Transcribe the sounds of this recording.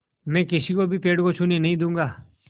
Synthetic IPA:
mɛ̃ːkɪsiːkoːbʱiːpeːɽkoːt͡ʃʰuːneːnəɦĩːd̪ũːŋɡaː

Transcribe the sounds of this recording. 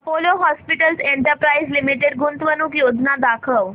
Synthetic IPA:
poloɦɔspiʈəlseɳʈəɾpɾaizlimiʈeɖ̚ɡunt̪ʋənuːkjod͡znad̪akʰəʋ

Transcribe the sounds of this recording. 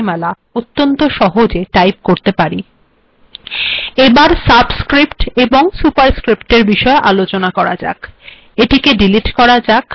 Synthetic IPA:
mɛla | ot̪ːont̪oʃɔɦod͡ʑeʈajp̚koɾt̪epaɾi | ebaɾsabskɾipʈeboŋsupaɾskɾipʈeɾbiʃɔeʔalot͡ɕonakɔɾa̰d͡ʑa̰k | eʈikeɖiliʈkɔɾad͡ʑak

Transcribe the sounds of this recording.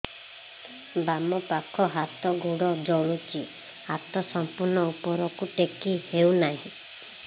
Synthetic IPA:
bamɔpakʰɔɦat̪ɔɡʱuɽɔd͡ʒɔɭ̃ut͡ʃi | at̪ɔsɔmpuɾnɔupɔɾɔkuʈekiheunaɦĩ

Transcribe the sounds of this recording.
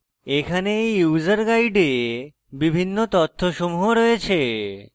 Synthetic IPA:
ekʰaneejjuzəɾɡajɖe | bibʱinːot̪ɔt̪ʰːoʃomuɦoɾɔet͡ɕʰe

